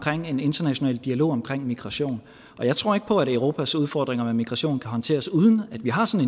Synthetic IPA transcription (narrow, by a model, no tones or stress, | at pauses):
kʰʁeŋ̰e̝ne̝nd̥ɐnæɕo̝nɛ̰ːld̥iælo̝̰ːɒ̽mkʰʁeŋ̰miɡ̥ʁɑ̈ɕo̝̰ːn | ʔɒ̽jɑ̈ɪt͡sʰʁo̝ɐ̰e̝ɡ̥̚pʰɒ̽æɾəʊʁo̝ːpʰæsuð̞ˠfɒ̰ːd̥ʁeŋɐmemiɡ̥ʁɑ̈ɕo̝̰ːnkʰæɦɒ̽nt͡sʰe̝̰ːɐsuːð̞ˠən̩æd̥ʋiɦɑ̈sɒ̽ne